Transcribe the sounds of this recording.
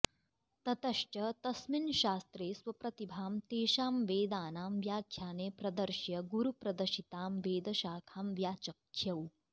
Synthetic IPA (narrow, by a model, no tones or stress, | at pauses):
t̪ɐt̪ɐʃʈɐt̪ɐsminʃaːst̪ɾeːsʋɐpɾɐt̪ibʱaːmt̪eːʃaːmʋeːd̪aːnaːmʋjaːkʰjaːneːpɾɐd̪ɐɾʃjɐɡuɾupɾɐd̪ɐʃit̪aːmʋeːd̪ɐʃaːkʰaːmʋjaːt͡ʃɐkʰːjɐw